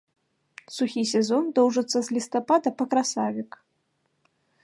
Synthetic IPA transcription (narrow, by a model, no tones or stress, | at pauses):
suxʲisʲɛzɔnd̪ɔwʐɨt̪sːɐzʲlʲist̪apad̪ɐpɐkɾasavʲik